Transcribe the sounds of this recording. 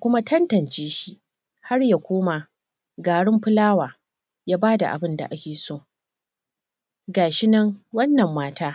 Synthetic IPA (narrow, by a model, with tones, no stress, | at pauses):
kʷʊ˦ma˦tʰɐ˦ntɐ˨nt͡ʃeː˦ʃi˦ʔ | ha˦rja˦kʷoː˦ma˨ | ɡaː˨ɽɪ˦mɸɪ˦laː˦waː˨ | jaː˦baː˦da̰˨ʔa̰˨bɪ˦nda̰˨ʔa˦kʲeː˨soː˦˨ | ɡaː˨ʃɪ˦nɐ˦ŋwɐ˦nːɐ˨mːaː˦taː˦